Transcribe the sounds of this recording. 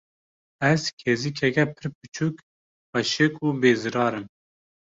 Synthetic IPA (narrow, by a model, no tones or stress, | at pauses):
ɛzkʰeːzikʰɛkʲɛpʰɨɾp̚ʰɨt͡ʃʰuːk | pɑʃekuːbeːzɨɾɑːɾɨm